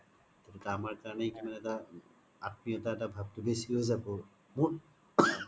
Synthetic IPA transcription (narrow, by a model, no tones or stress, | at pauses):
tetɛtaamaɹkaɹɔnɛkimanɛta | at̚mijɔtaɛtabʱab̚tʊbesiozabɔ | mu